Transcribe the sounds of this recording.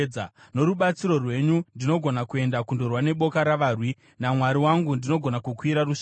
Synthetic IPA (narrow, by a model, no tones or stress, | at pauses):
ano̞ɾuɓat͡siɾo̞rwe̞ɲundino̞ɡʱo̞nakue̞ndakundo̞rwane̞ɓo̞kaɾaʋarwi | namwaɾiwaŋɡundino̞ɡʱo̞nakukwiɾaruʃ